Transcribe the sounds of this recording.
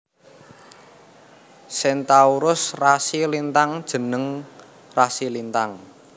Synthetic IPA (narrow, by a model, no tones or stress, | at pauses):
sɛnt̪auɾʊsrasilint̪aŋd̥ʒ̥ə̤nəŋ | rasilint̪aŋ